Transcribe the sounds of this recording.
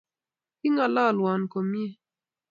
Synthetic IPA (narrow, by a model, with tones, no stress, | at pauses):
kɪ˦ŋa˨lɔ˦˨lwɔ˨nko˨mje˦